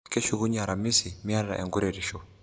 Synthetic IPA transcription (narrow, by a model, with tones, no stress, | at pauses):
kɛ˦ʃu˦ɣu˦ɲa˨ɾa˨mi˦si˨mi˦a˦ɾa̰˨ʔɛ˨ŋɡu˦ɾɛɾi˨ʃɔ˨